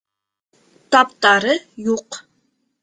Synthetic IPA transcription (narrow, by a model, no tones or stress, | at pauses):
t̪apt̪ʼɑɾɨjuq